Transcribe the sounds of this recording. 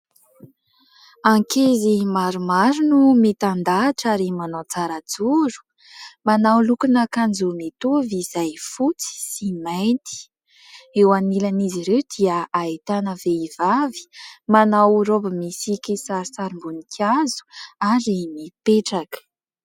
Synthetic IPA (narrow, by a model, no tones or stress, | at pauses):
aŋkezimaɾumaɾunumet̪and̪aʈ͡ʂaɾimanat͡saɾad͡zuɾu̥ | manawlukunəkand͡zomet̪ovizajfut͡si̥simajnt̪i̥ | ewanilaniziɾewd̪iəait̪anəveivavi̥manawɾobəmisikʲisaɾisaɾimbunikʰazu̥aɾimipeʈ͡ʂakə̥